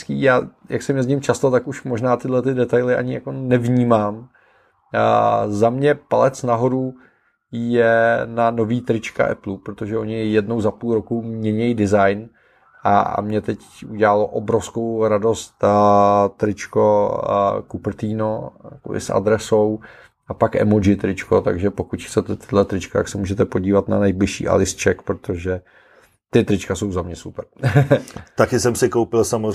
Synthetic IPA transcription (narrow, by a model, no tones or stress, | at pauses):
skiːjaːjaksɛmɲɛzɲɪmt͡ʃast̪ot̪akuʃmoʒnaːt̪ɪdlɛt̪ɪdɛt̪ajlɪʔa̰ɲɪjako̞nɛvɲiːmaːm | zamɲɛpalɛt͡snaɦo̞ɾu | jɛnano̞viːt̪ɾɪt͡ʃka̰ʔɛ̰plupɾot̪o̞ʒɛʔo̞ɲɪjɛdno̞wzapuːlɾo̞kumɲɛɲɛjdɪzajn | ʔa̰mɲɛt̪ɛcuɟɛlalo̞ʔobɾofsko̞wɾado̞st̪ | t̪ɾɪt͡ʃko̞ | kupr̩t̪iːno̞jja̰kobɪ̰sʔa̰d̪ɾɛso̞w | apakʔɛ̰mod͡ʒɪt̪ɾɪt͡ʃko̞t̪aɡʒɛpo̞kut̪xtt͡sɛt̪ɛt̪ɪdlɛt̪ɾɪt͡ʃkat̪aksɛmuːʒɛt̪ɛpo̞ɟiːvat̪na̰nɛjblɪʃḭːʔa̰lɪst͡ʃɛkpɾot̪o̞ʒɛ | t̪ɪt̪ɾɪt͡ʃkaso̞wzamɲɛsupɛɾ | t̪akɪsɛmsɪkowpɪlsam